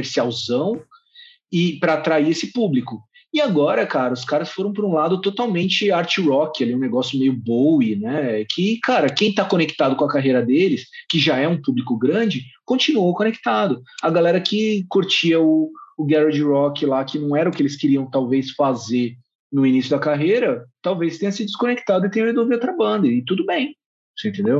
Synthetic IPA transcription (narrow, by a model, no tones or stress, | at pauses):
eɾsiawzɐ̃w̃ | ɪpɾɐːt̪ɾaiesɪpublikʊ | ɪaɡɔɾɐkaɾɐʊskaɾɐsfoɾɐ̃w̃poɾũlad̪ʊt̪ot̪awmẽnt͡ʃɪaɾt͡ʃɪɾɔkɪaliɛũneɡɔsjʊmejʊbowɪnɛkʰɪkaɾɐkẽj̃t̪akonekt̪ad̪ʊkõɐkaɦejɾɐd̪elɪskɪʒaɛũpublikʊɡɾɐ̃d͡ʒɪkõt͡ʃinuowkõnekt̪ad̪ʊɐɡalɛɾɐkɪkoɾt͡ʃiɐʊːɡɛɾod͡ʒɪɾɔkɪlakɪnɐ̃w̃ɛɾɐʊkɪelɪskɪɾiɐ̃w̃t̪awvesfaze | nʊinisjʊd̪ɐkaɦejɾɐt̪awvejst̪ẽɲ̃ɐsɪd͡ʒɪskõnekt̪ad̪ʊɪt̪ẽɲ̃ɐezowviot̪ɾɐbɐ̃nd̪ɐɪt̪ud̪ʊbẽj̃ | sẽt̪ẽnd̪ew